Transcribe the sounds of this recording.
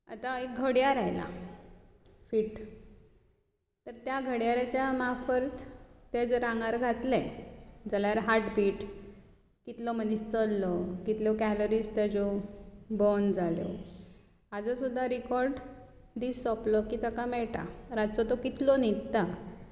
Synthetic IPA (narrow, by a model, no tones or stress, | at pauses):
a̰t̪aek̚ɡʱəɽjaɾajla̰ | fiːʈ | t̪əɾt̪jaɡʱəɽjaɾat͡ɕjamafəɾt̪t̪ed͡zəɾãŋɡaɾɡʱat̪lɛ̃d͡zaljaɾɦaɾʈbiːʈ | kit̪lɔmənist͡səlːɔkit̪lɔkæloɾiːst̪jad͡zɔbɔnd͡zaljɔ̰ | ad͡zəsud̪ʱːaɾikɔɾɖ | d̪isːɔplɔkiːt̪əkamɛɭʈa̰ɾat͡sɔt̪okit̪lɔnit̪t̪a